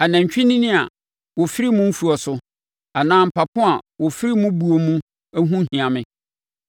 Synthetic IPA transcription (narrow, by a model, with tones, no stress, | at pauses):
a˨næ̃˨ɲ˨t͡ɕᶣi˦nĩ˦nɪ̃˦a˨ | wɔ˨fi˦ɾi˦mʊ̃˦m̩˦fu˨ɔ˨sʊ˦ | a˨nãː˦m̩˨pʰa˨pʰʊ̃˦a˨wɔ˨fi˦ɾi˦mʊ̃˦bu˨o˨mũ˦ | æ˦ɦũ˦ɦĩ˨ã˨mɪ̃˦